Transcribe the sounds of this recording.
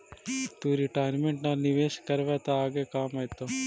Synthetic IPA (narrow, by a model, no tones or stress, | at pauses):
t̪uɾɪʈaːjɾmẽɳʈnaːnɪʋeːʃkəɾʋet̪aaːɡeːkaːmajt̪oː